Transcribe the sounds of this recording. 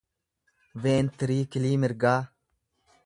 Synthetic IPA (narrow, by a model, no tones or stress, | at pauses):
veːnt̪əɾiːkiliːmɪɾɡaː